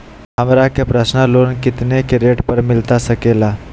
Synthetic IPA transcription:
həmɾakapɾəsnəlonkit̪nekeɾeʈpəɾmilt̪asəkela

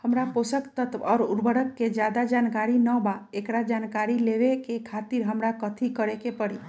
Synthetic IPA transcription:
həmɾaposəkt̪ət̪ʋɔːɾuɾbʱəɽəkːed͡ʒjad̪ad͡ʒankaɾinəbaekɾad͡ʒankaɾileʋekekʰat̪iɾɦəmɾakət̪ʰikəɾekepəɽi

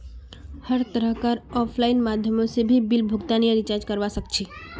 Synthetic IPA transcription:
həɾt̪əɾəɦkaɾɔpʰlaɪnmad̪ʱjəmõsebʱibilbʱʊɡt̪anijəɾit͡ʃaɾd͡ʒkəɾʋasək̚t͡ʃʰi

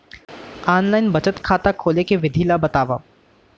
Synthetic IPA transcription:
aːnlaːɪnbɐt͡ʃət̪kʰaːt̪akʰoːlekeʋɪd̪ʱiːlabɐt̪aːʋa̰ː

